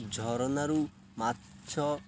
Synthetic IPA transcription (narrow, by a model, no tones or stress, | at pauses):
d͡ʒʱɔɾɔnaɾu | matːʃʰɔ